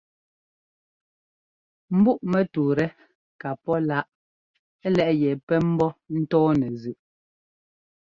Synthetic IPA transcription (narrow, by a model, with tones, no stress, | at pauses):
m̩˦bu˦ʔmɛ˨tu˨ɾɛ˦ | ka˨pɔ˦la˦ʔ | ɛ˦lɛ˦ʔjɛ˨pɛ˦m̩˦bɔ˦n̩˦tɔː˦nɛ˨zʉ˨ʔ